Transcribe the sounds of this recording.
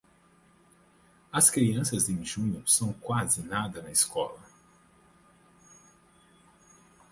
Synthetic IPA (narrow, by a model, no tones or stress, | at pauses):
ɐskɾiɐ̃sɐzd̪ɪĩʒũɲʊsɐ̃w̃kwazɪnad̪ɐnɐiskɔlɐ